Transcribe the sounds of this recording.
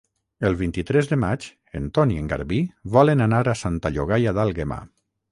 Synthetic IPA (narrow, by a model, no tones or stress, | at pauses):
əlˠβint̪it̪ɾɛzðəmat͡ʃ | ent̪ɔnieŋɡa̰ɾβiβɔlenanaɾasant̪aʎoɣ̞ajaðalˠɣema̰